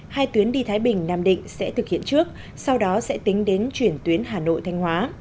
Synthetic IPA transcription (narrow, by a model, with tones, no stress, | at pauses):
haː˧jt̪wi˨˦ənɗi˧t̪ʰaː˨˦jɓï˨˩ŋ̟naː˧mɗḭ̈˧˨ŋ̟sɛ̰˧˥t̪ʰɨ˨˩k̚hḭ˧˨ənt͡ɕɨ˦˥ək̚ | sa˧wɗɔ˨˦sɛ̰˧˥t̪ï˨˦ŋ̟ɗe˨˦nt͡ɕwi˧˩ənt̪wi˨˦ənɦaː˨˩no̰˧˨jt̪ʰa˧jŋ̟hwaː˨˦